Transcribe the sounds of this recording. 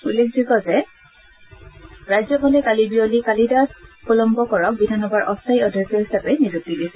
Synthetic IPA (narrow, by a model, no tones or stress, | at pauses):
ulːek̚ʰzuɡɔzɛ | ɹajzɔbɔlɛkalibiɔlikalidaspɔlɔmbɔkɔɹɔk̚bidʱanɔbaɹʔɔstʰaiɔdʱjɔkɔɹɦisapɛnizuk̚tiɡisɛ